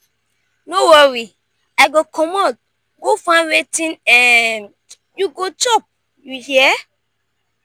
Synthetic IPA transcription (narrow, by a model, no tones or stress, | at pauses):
nowɔɾi | aɪɡokʰɔmɔt̚ | ɡofãwetĩnɛ̃n | juɡot͡ʃɔp̚ | juhiɛ